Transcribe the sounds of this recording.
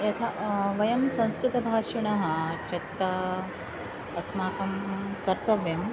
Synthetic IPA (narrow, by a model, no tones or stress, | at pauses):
jɐt̪ʰɐʋɐjɐmsɐ̃w̃skɾɪt̪ɐbʱaːʂɐɳ̃ɐɦɐ̆t͡ʃɐt̪ːɐ | ɐsmaːkɐmkɐɾt̪ɐʋjɐm